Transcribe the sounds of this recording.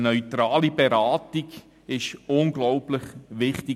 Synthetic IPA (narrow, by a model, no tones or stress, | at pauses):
nœʏtɾaːlibɛɾaːtiɡ | ɪʃʊnɡlɔwplɪχʋɪχti